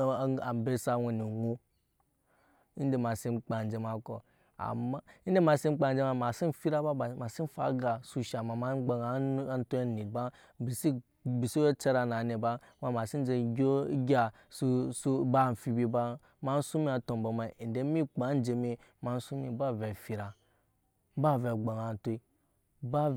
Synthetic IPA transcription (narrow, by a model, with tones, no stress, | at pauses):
a˨m˨be˦sa˦wo˨ni˨wo˦ | i˦n˦de˨ma˨si˦mk͡pa˨n˨d͡ʒe˨ma˨ko̰˨ | a̰˨ma˦i˦n˦de˦ma˨si˦m˦k͡pa˨n˨d͡ʒe˦ma˨ma˨si˦n˨fi˦ɾa˦ba˦˨ma˨si˦n˦fa̰˨˦ɡa˨su˨ʃa˨ma˨ma˦ɡ͡ba˨a˨˦n˦to˦˨ni˨ba˦ | bi˨si˦ | bi˨si˦jo˦t͡ʃe˦ɾa˨na˨ne˨ba˦ma˨ma˨si˦n˦d͡ʒe˨ɡʲo˦ɡʲa˨ | su˦su˦ba˦˨fi˨bi˦ba˦ | ma˦n̩˦su˦mi˦a˨to˨mba˨ma˨n˨de˦mi˦k͡pa˨˦n̩˦d͡ʒe˨mi˦ | ma˨n̩˦su˦mi˨ba˦ve˨fi˨ɾa˨˦ | ba˦˨ve˨ɡ͡ba˨ŋa˨n˦to˦i˦ | ba˦